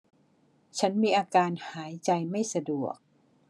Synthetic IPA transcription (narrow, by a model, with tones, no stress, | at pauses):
t͡ɕʰa˦˥nmiː˧ʔaː˧kaː˧nhaː˩˦jt͡ɕa˧jma˥˩jsa˧du˨˩ək̚